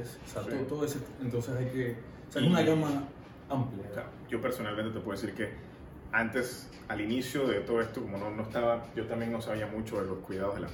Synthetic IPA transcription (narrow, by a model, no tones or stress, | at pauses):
s | sat̪ot̪oðoeset̪ent̪o̞nsesajke | osaesunaʎaŋma | ampljoka̰oɟ͡ʝo̞pe̞ɾso̞nalment̪eepweesiɾke̞ | ant̪e̞s | alinisjo̞ðe̞t̪o̞ðo̞e̞st̪oko̞mo̞nonoest̪aβaɟ͡ʝo̞t̪ambjeŋno̞saβiamũt͡ʃo̞ðelo̞skwiðaðo̞ðela̰